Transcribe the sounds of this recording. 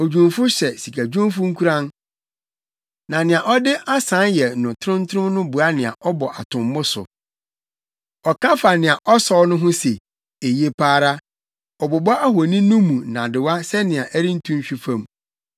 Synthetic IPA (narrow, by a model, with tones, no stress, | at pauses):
o˨d͡ʑᶣũ˨mfʊ˦ɕɛ˨si˨kʰa˨d͡ʑᶣũ˦m˦fʊ̃˦ŋ̩˦kʰu˦ɾã˦n | nã˨nɪ̃˨ã˨ʔɔ˦dɪ˦ʔa˦sã˨˦njɛ˨nʊ̃˨tʰʊ˦ʊ̃˦n˦tʰʊ̃˦mnʊ̃˦bu˨a˦nɪ̃˨a̰˨ʔɔ˦bɔ˨ʔa˨tʰʊ̃˨mː˦ʊ̃˦sʊ̰˨ | ɔ˨kã˦fa˨nɪ̃˨a˨ʔɔ˦sɔ˦nʊ̃˦ɦʊ̃˦se˨ | e˨je˦pʰaː˦ɾa˦ | ɔ˨bɔ˨bɔ˦a˦ɦwo˨nĩ˦nʊ̃˦mũ˨nã˨dɪ˨wa˦sɛ˦nɪ̃˨ã˨ʔæ˦ɾĩ˦n̩˦tʰũ˦m˦ɕᶣi˦fã˦m